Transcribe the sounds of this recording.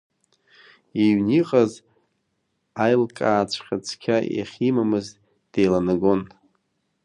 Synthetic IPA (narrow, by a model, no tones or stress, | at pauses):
iɥniqʼaz | ajlkʼaːt͡sʷʰχʲat͡sʷʰkʲʰaja̰χʲimamɨz | d̥ejlanɨɡo̞n